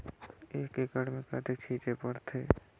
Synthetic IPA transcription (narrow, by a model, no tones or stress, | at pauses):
eːkekəɽmẽkat̪ʰet͡ʃʰiːt͡ʃepəɽt̪ʰeː